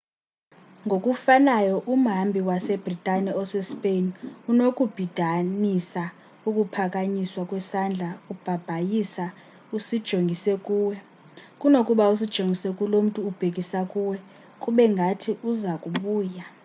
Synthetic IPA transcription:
ŋɡʱokʼufanajɔʔum̩ɦambʱiwasɛb̥ʱritʼanɛɔsɛspʼenunokʼub̥ʱid̥ʱanisa | ukʼupʰakʼaɲiswakʼwɛsand͡ɮʱaub̥ʱab̥ʱajisa | usid̥ʒ̥ʱoŋɡʱisɛkʼuːwɛ | kʼunokʼuɓaus̬id̥ʒ̥ʱoŋɡʱisɛkʼulom̩tʼuːb̥ʱek̬ʼisakʼuːwɛ | kʼuɓɛŋɡʱatʰiuzakʼuɓuːja

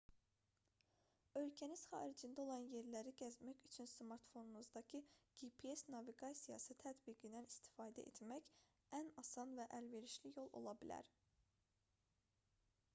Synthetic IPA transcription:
ø̞lcʰæniz̥χɑ̰ːɾid͡ʒind̪æo̞lˠɑnje̞ɾlæɾiɟæzmæçyt͡ʃʰynsmɑɾt̪fo̞nunuzd̪ɑcʰiɡ̥ipʰiesnɑviɡɑsijɑ̰sɯt̪ʰæt̪biɡinænist̪i̥fɑːd̪æ̰ʔe̞̰t̪ʰmæç | ænɑsɑnvæʔælve̞ɾiʃlijo̞lˠʔo̞̰lˠɑbilæ̰ɾ

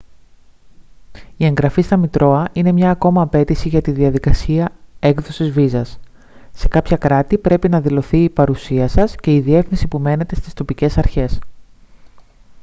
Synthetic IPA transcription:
ie̞ŋɡɾɐfist̪ɐmit̪ɾo̞ɐine̞mɲɐːko̞mɐːpe̞t̪isiʝɐt̪iðiɐðikɐsiɐe̞kðo̞sizvizɐs | se̞kɐpçɐkɾɐt̪ipɾe̞pinɐðilo̞θiːpɐɾusiɐsɐsce̞iðie̞fnisipume̞ne̞t̪e̞st̪ist̪o̞pice̞sɐɾçe̞s

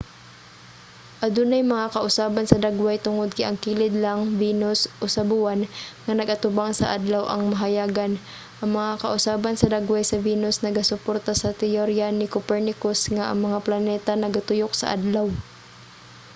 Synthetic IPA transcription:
ʔɐd̪ʊnɐjmɐŋakɐʔʊsaːbɐnsɐd̪aɡwajt̪ʊŋod̪̚kɪʔɐŋkiːlɪd̪laŋviːnosʔosɐbʊwanŋɐnɐɡʔɐt̪ʊbaŋsɐ̰ʔad̪lawʔɐ̰ŋmɐɦɐjaːɡɐn | ʔɐŋmɐŋakɐʔʊsaːbɐnsɐd̪aɡwajsɐviːnosnɐɡasʊpoɾt̪asɐt̪ɛjoɾjanɪkopɛɹnɪkosŋaʔɐ̰ŋmɐŋaplɐnɛːt̪ɐnɐɡat̪ʊjok̚sɐ̰ʔa̰d̪law

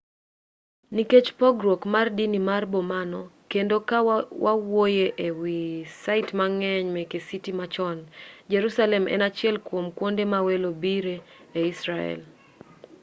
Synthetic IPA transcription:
niket͡ʃpɔɡɾokmardinimarbomanɔkendokawawojeʔewisaɪtmaŋɛɲmɛkesitimat͡ʃɔnd͡ʒeɾusalɛmʔɛ̰nat͡ʃɪɛlkwomkwondemawelobiɾeː | isɾaɛ̰l

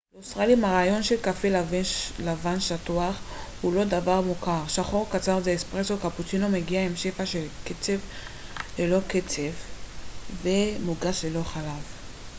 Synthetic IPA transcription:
leusʁalimaʁaːjo̞nʃe̞lkafelavlavanʃatuaχhulo̞d̪avaʁmukaʁʃaχo̞ʁkat͡saʁzeːspʁesokaput͡sino̞me̞ɡiaemʃefaʃelket͡sev | lelo̞ket͡sev | vemuɡaʃlelo̞χalav

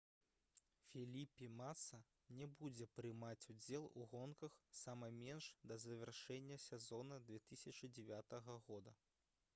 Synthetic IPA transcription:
fʲilʲipʲimat̪sɐ | nʲɛbud͡zʲɛpɾɨmat͡sʲud͡zʲɛlˠuɣɔnkɐxsamɐmʲɛnʂd̪ɐzɐvʲɛrʂɛnʲːɐsʲɛzɔnɐd̪vʲɛt̪ɨsʲɐt͡ʂɨd͡zʲɛvʲat̪ɐɣɐɣɔd̪ɐ

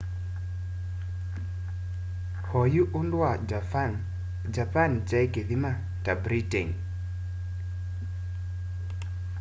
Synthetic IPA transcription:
hɔjuʔʊndwa | d͡ʒapant͡ʃajɡeðima | tabɾiteŋ

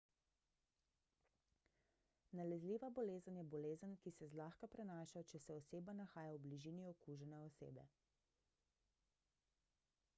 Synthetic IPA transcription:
nalɛzliʋabɔleːzənjɛbɔleːzənkisɛzlaːxkapɾɛnaːʃat͡ʃɛsɛɔseːbanaxaːjawbliʒiːniɔkuʒɛnɛɔsḛːbɛ̰

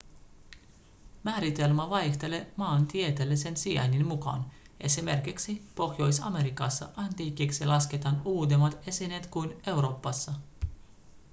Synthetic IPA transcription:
mæːɾit̪e̞lmæʋɑjxt̪e̞lemɑːnt̪iet̪elːise̞nsiæ̰nʲːinmukɑ̰n | ʔe̞sime̞rkiksipo̞xjo̞jsɑ̰me̞ɾikɑsːɑ̰ʔɑnt̪iːkːiksilɑsket̪ɑnuːt̪̬emɑt̪e̞sinet̪kujne̞wɾo̞ːpːɑsːɑ

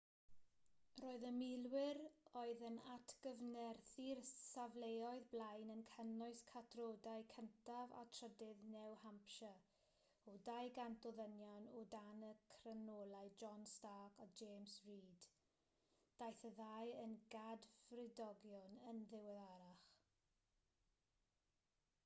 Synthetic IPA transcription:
roːɨðəmɪlwɪɾoɨðənatʰɡ̥əvnɛrθirsavlejɔɨðblajnənkʰənɔɨskʰatʰroːdaɨkʰəntʰava̰tʰrədɪðnɛwhampʃa | ɔdajɡandɔðənjɔnɔdanəkʰrənoːlˠajd͡ʒɔnstaːkʰɔd͡ʒeːmsriːd̥ | d̥ajθəðajənɡadvrɪdɔɡjɔnənðɪwɛðaɾaχ

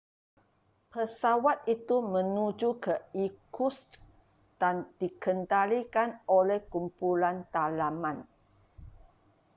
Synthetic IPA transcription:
pəsawat̪it̪umə̃nud͡ʒukəikus | d̥and̥ikəndalikanolɛhkumpulant̪alamãn

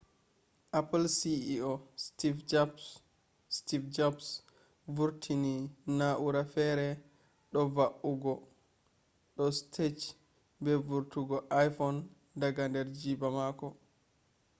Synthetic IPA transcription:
ʔaplsiiostifd͡ʒap | stifd͡ʒaps | vuɾtʰininaʔuɾafɛɾɛ | ɗɔvaʔuɡɔ | ɗɔstʰet͡ʃ | bɛvuɾtuɡɔʔajfɔn | daɡandɛɾd͡ʒibamakɔ

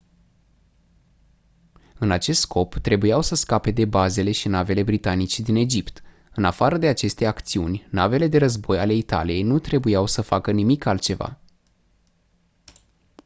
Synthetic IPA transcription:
ɨnat͡ʃe̞st̪skʰo̞pt̪ɾe̞bujawsəskape̞d̪e̞baze̞le̞ʃinave̞le̞bɾit̪anit͡ʃed̪ine̞d͡ʒipt̪ | ɨnafaɾəd̪e̞at͡ʃe̞st̪e̞akt̪siunʲnave̞le̞d̪e̞ɾəzbo̞jale̞it̪a̰lije̞jnut̪ɾe̞bujawsəfakənimikalt̪̚t͡ʃe̞va̰

